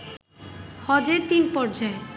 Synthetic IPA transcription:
hɔd͡ʑeɾt̪inpɔɾd͡ʑae

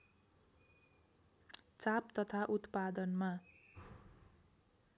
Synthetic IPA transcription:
t͡sapt̪ʌt̪ʰaʔut̪pad̪ʌnma

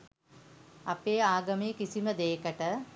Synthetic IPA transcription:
apeːaːɡɐmeːkisiməd̪eːkəʈə

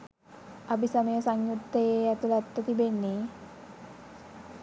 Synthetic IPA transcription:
abisaməjəsaŋjut̪ːəjeat̪ulat̪ːət̪ibenːe

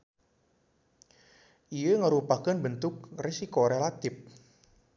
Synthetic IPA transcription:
ʔijəŋəɾupakənbənt̪ʊk̚resikoɾelat̪ɪp̚

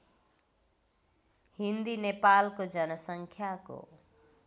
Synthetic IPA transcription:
hind̪inepalkod͡zʌnʌsʌŋkʰjako̰

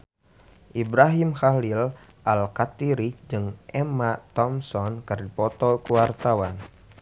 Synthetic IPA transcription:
ʔibɾaɦimxalil | ʔalkat̪iɾid͡ʒɨŋʔɛmat̪ɔmsɔnkɨrdipɔt̪ɔkuwart̪awan

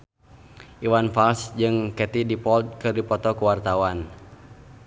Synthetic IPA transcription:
ʔiwanfalsd͡ʒɨŋkɛt̪idipɔlt̪̚kɨrdipɔt̪ɔkuwart̪awan

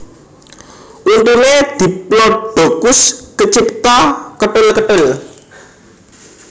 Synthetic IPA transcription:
ʔunt̪uned̪̥i̤plɔb̥aɡ̥ʊskət͡ʃipt̪ɔkəʈɪlkəʈɪl

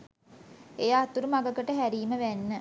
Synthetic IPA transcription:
ejaːt̪uɾumaɡəkəʈəɦæɾiːməʋænːə

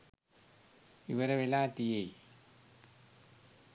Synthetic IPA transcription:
iʋɐɾeʋelaːt̪ijej

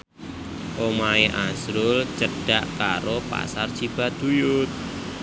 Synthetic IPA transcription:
ʔomaeʔasɾʊlt͡ʃəɖ̥aʔkaɾopa̰sard̥t͡ʃib̥a̤d̪̥ujʊt̪̚

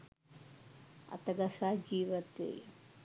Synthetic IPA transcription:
ɐ̰t̪ɐɡɐsaːd͡ʒiːʋɐt̪ḛ

